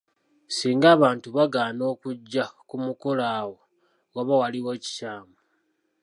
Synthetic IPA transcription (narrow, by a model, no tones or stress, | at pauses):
siːŋɡaːβaːntuβaɡaːno̞ːkuɟːakumuko̞laːwo̞ | ɣaβawaliwe̞ːci̥caːmbu